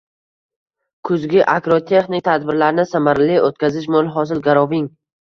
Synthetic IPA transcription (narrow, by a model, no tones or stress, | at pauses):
kʰʊzɡʲɪʔakɾot̪ʰe̞χnɪk̚ʲt̪ʰad̪bɪɾlaɾnɪsamaɾliot̪kʲazɪʃ̬molˠɦɒs̬ɪlɡaɾɒvɪŋ